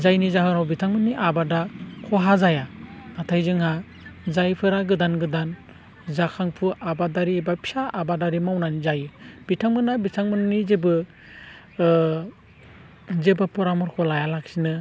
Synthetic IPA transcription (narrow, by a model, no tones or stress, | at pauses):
zajnizaɦɯnawbitʰaŋmɯniʔabadakʰɔɦazajaːtʰajzɯŋɦa | zajpʰɯɾaɡɯdanɡɯdan | zakʰaŋpʰuʔabadaɾiebapʰi̥saʔːbadaɾimawnanizajɯbitʰaŋmɯnabitʰaŋmɯnnizebɯ | zebapɔɾamɔɾkʰɔlajalak̚sinɯ